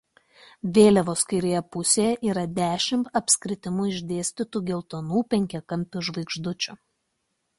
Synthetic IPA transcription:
ʋʲeːlʲɛʋoːsʲkʲɪɾʲeːjɛpʊsʲeːjɛʔiːɾɐd̪ʲæːʃʲɪmt̪ɐpʲsʲkɾʲɪt̪ʲɪmʊɪʒʲd̪ʲeːsʲt̪ʲɪt̪uːɡʲɛlˠt̪oːnuːpʲɛŋʲkʲɛkɐmʲpʲʊʒʋɐɪɡʒd̪ʊt͡ʃʲʊ

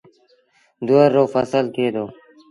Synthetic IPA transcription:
d̪uəɾːoːfəsəlkeːd̪oː

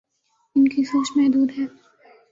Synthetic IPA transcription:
ɪnkisoːʃmɛɦd̪uːd̪ɦɛː

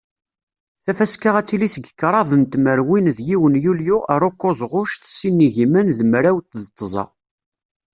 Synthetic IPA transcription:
θæfæskaʁæt͡sːilisəɡəkːɾˤɑðˤənt̪məɾwinðjiwənjuljuəɾˤokːozˤʁʊʃθsinːiʝimənðmɾæwt̪ðət̪ˤːəzˤɑ̰

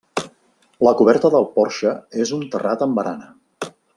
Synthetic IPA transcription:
ləkuβ̞ɛɾt̪əðəlˠpɔɾʃəezunt̪ərat̪əmbəɾanə

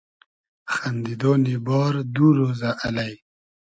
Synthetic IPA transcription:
xand̪id̪oːnibɑːɾd̪uɾozaʔalaj

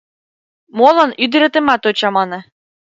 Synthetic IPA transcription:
molˠɤ̆nyd̪ɘ̆ɾĕt̪ĕmɑt̪ot͡ɕɑmɑnɤ̆

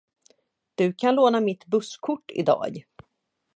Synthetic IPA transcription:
d̪̥ɵkʰanloːn̪amɪt̪bɵskʰʊʈːɪ̰d̪ɑ̰ːɡ

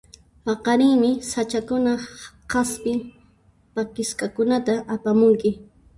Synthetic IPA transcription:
pɑqɑɾɪːmɪsat͡ʃakʊna | qaspɪ | pakɪskakʊnat̪aʔapamʊŋkɪ

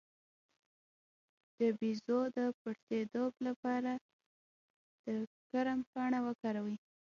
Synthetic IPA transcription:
d̪̥əbizod̪əpaʈt̪et̪oblapɑɾa | d̪̥əkaɾampɑɽ̃awəkɑɾawi

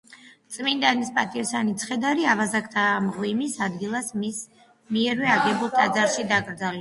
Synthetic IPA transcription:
t̪sʼmind̪anispʼat̪ʼiɔsanit̪sʰχɛd̪aɾiavazakʰt̪ʰaːmʁwimisad̪ɡilˠasis | miɛɾwɛaɡɛbulˠt̪ʼad̪zaɾʃid̪aɡɾd̪zalɛ

